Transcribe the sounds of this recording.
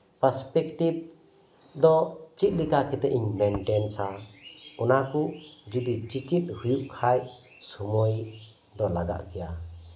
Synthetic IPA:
pəɾspɛk̚ʈib̚ | d̪ɔt͡ʃit̪̚likʰakʰit̪ɛʔiɲmenʈensaunakʰud͡ʒud̪it͡ʃit͡ʃit̪̚hujuʔkʰaj | sɔmɔj | d̪ɔlaɡa̰ʔkʰija

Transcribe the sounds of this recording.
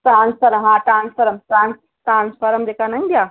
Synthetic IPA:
ʈɾaːnspʰɐɾɐɦãːʈɾaːnspʰɐɾɐmʈɾãːns | ʈãːnspʰɐɾɐmd̪ekanɐ̃ŋd̪jaː

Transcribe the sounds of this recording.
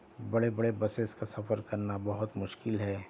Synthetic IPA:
bɐɽebɐɽebɐseskasɐfəɾkɐɾnabɐɦʊt̪mʊʃkɪlɦɛː

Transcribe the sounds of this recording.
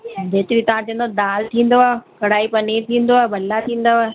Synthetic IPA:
dʱeːt̪ɪɾit̪ɐʋ̤ãt͡ɕĩə̃nd̪od̪aːlt̪ʰĩːn̆d̪oaːkɐɽaːipɐnet̪ʰĩːn̆d̪oaːebʱɐlːat̪ʰĩːn̆d̪aaːe

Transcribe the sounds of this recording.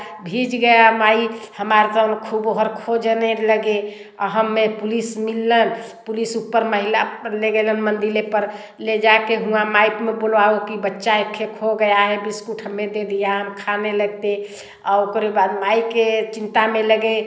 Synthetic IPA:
bʱid͡ʒɡəjamaihəmaɾt̪ənkʰuboɦəɾkʰod͡ʒneləɡe | ɔɦəmːepulismilːənpulisupːəɾməɦilaleɡelənmənd̪ilepəɾ | led͡ʒakeɦũamajpmebolʋaokibətːʃaekʰːekʰoɡəjaɦebiskuʈʰɦəmːed̪ed̪ijaɦəmkʰaneləɡ̚t̪e | aokɾebad̪maiket͡ʃint̪ameləɡe

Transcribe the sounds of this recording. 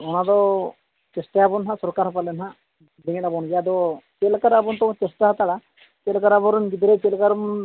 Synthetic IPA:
ɔnad̪ɔ | t͡ʃesʈajabɔnɦasɔɾkaɾɦɔpalɛnɦa | diŋɛtabɔnd͡ʒad̪ɔt͡ʃelkaɾabɔnt̪ɔɔt͡ʃesʈaɦat̪aɽa | t͡ʃɛlkaɾabɔɾunɡid̪ɾɛt͡ʃelkaɾ

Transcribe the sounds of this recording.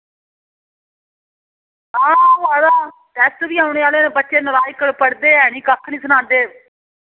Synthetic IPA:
aːaːd̪aː | ʈ̪ɛːst̪biːaːʊɳeːaːleːneːbətːʃeːnəɾaːjkəɽpəɽd̪eːɛːnĩːkəkʰːnĩːsənãːnd̪eː

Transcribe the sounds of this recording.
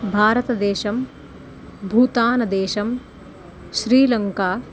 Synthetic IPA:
bʱaːɾɐt̪ɐd̪eːʃɐm | bʱuːt̪aːnɐd̪eːʃɐm | ʃɾiːlɐŋkaː

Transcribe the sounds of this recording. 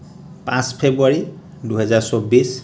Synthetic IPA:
pãspʰebuaɹi | duɦɛzaɹsobis

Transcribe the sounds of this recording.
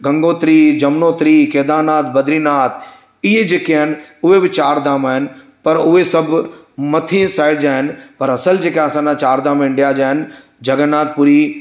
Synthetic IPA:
ɡɐ̃ŋɡoːt̪ɾiːd͡ʒɐmnoːt̪ɾiːkeːd̪aːnaːt̪̚ʰbɐd̪ɾiːnaːt̪ʰ | ɪɦed͡ʑeːkeaːɦɪnɪ̆ʊɦebɪt͡ɕaːɾd̪aːmaːɦɪnɪ̆ | pɐɾʊɦesɐbʱ | mɐt̪ʰĩsaːɪɖ̚d͡ʑaːɦɪnɪ̆pɐɾɐsəld͡ʒeːkaɐsãːnãt͡ɕaːɾd̪aːmɪ̃ɳɖijad͡ʒaːɦɪnɪ | d͡ʒʱɐɡənːaːt̪̚puɾi

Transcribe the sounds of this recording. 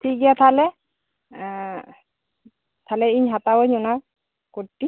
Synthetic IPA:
tʰiɡiat̪ʰalɛ | tʰalɛiɲɦatawojɲʊnaw | kotːi

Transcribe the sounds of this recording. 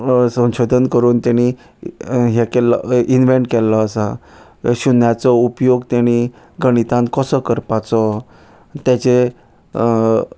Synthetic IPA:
sə̃w̃ɕod̪ʱənkəɾuːnt̪jaɽ̃i | ɦɛkɛlə̰inʋeɳʈ̚kɛlːɔːsa | ɕunjat͡sɔupjoɡt̪jaɽ̃i | ɡəɽ̃it̪ãn̚kəsɔkəɾpat͡sɔ | t̪jat͡ɕe

